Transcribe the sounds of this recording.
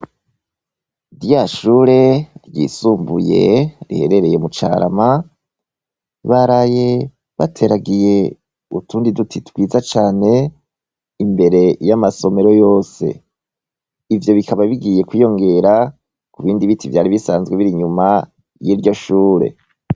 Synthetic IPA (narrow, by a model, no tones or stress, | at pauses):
ɾjaʃuːɾe̞ɾjḭːsuːmbuje̞̰ɾḭhe̞̰ɾe̞ɾe̞je̞mut͡ʃa̰ɾa̰ma | βaɾaje̞ | βatʰe̞ɾaɡije̞ | ṵtuːndidutʰitwiːzat͡ʃaːne̞ | imbe̞ɾe̞jamaso̞me̞ɾo̞jo̞ːse̞̰ | ivjo̞βikʰaβaβiɡiːje̞kwijo̞ŋɡe̞ɾa | kuβiːndiβitivjaːɾiβisaːnzɡweβiɾiɲuma | jiɾɟo̞ʃuːɾe̞̰